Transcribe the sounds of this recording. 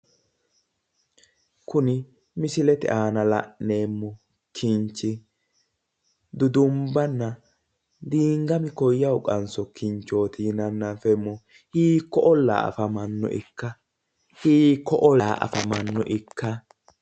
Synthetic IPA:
kʊnɪ | mɪsɪlɛt̪ɛʔaːnɐlɐ̰ʔne̞ːmːɔ | kʰint͡ʃːɪ | d̪ʊd̪ʊmbɐnːɐ | d̪iːŋɡɐmɪkɔjːɐwʊkʼɐnsɔkɪnt͡ʃo̞ːt̪iːnɐnːafɛmːɔ | hiːkːɔʔɔlːa̰ːɐ̰fɐmɐnːɔ̰ʔɪ̰kːɐ | hiːkːɔʔɔlaːʔɐ̰fɐmɐnːɔ̰ʔɪkʰːɐ

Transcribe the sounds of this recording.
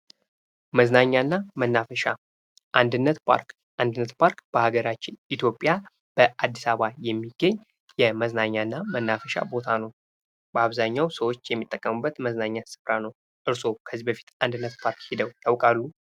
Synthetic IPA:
məznaɲːanːamənːafəʃa | ʔand̪ɨnːət̪pʰa̰ɾk | and̪ɨnːət̪pʰaɾkb̥əhaɡəɾat͡ʃːɪnʔit̪ʰjo̞pʼja | b̥əad̪ːisaβajɛmːiɡːəɲː | jɛməznaɲːaɨnːamənːafəʃa̰bo̞t̪ʰanəw | b̥əaβzaɲːawsəwot͡ʃːjɛmːit̪ʼːəkʼːəmɨbːət̪məznaɲːasɨ̥fɾanəw | ʔɨɾso̞kʰəzibəfi̥t̪and̪ɨnːət̪pʰaɾkhid̪əwj̪awkʼalːu

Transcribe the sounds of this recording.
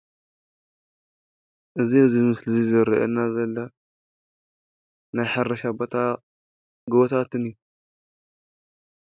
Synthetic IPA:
ʔɨzizimɨslizɨɾɐʔḛnazɐlːɐ | najħarːɐʃabot̪ʰa | ɡɨβot̪ʰat̪ɨnji

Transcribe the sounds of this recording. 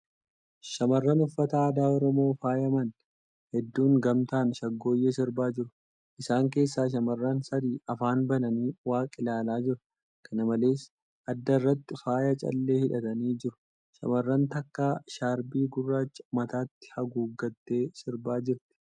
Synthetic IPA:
ʃɐmɐrːɐnʊfːɐt̪ɐaːd̪aːɔɾɔmo̞ːfaːjɐmɐn | hɛd̪ːuːŋɡɐmt̪aːnʃɐɡːo̞ːjeːsɪɾbaːd͡ʒɪɾʊ̥ | ʔɪsaːŋk̬e̞ːsːaːʃ̬ɐmɐrːansɐd̪iːɐfaːnbɐnɐniːwaːkʼɪlaːlaːd͡ʒɪɾʊ̥ | kʰɐnɐmɐle̞ːs | ʔɐd̪ːɐrːɐt̪ːɪfaːjɐt͡ʃʼɐ̰lːe̞ːhɪᶑɐt̪ɐniːd͡ʒɪɾʊ̥ | ʃɐ̰mɐrːɐnt̪ɐkːaːʃaːɾbiːɡʊrːaːt͡ʃːɐ̥mɐt̪aːt̪ːɪ̥hɐɡuːɡɐt̪ːe̞ːsɪɾbaːd͡ʒɪɾt̪ɪ̥

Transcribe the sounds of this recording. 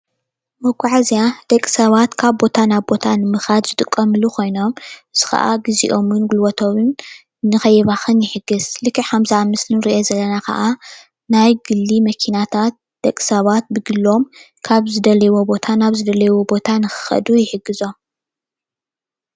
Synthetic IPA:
bɐɡʼaʕazijad̪̥ɐkʼsɐβat̪kʰaβbo̞t̪ʰanaβbo̞t̪ʰanɨmɨxad̪zɨt̪ʼɨkʼːɐmɨlukʰo̞jno̞mʔɨzɨxɐ̰ʔa̰ɡɨzḭʔo̞mɨnɡulwɐt̪ʰoβɨnː | ɨxɐjɛβaxɨnjɪħɨɡːɨzlɨkʰːiħamzamɨslɨnɾiʔezɐlːɐnakɐ̰ʔa | najɡɨlːimɐkʰinat̪ʰat̪̚ | d̪̥ɐkʼːi̥sɐβat̪̚bɨɡɨlːo̞m | kʰaβzɨd̪ɐlɐwo̞bo̞t̪ʰanaβzɨd̪ɐlɐjwobo̞t̪ʰanɨxɨ̥xɐ̰d̪ujɪħɨɡːɨzo̞m

